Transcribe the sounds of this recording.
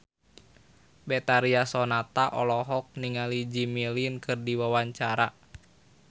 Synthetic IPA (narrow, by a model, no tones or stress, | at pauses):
bɛt̪aɾiasɔnat̪aʔɔlɔɦɔk̚niŋalid͡ʒimilinkɨrdiwawaɲt͡ʃaɾa